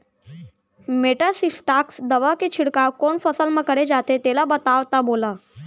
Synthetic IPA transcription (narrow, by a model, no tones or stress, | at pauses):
meʈəsisʈaksd̪əʋakit͡ɕʰiɽkawkoɳfəsəlməkəɽed͡ʑat̪et̪elabət̪aʋt̪abola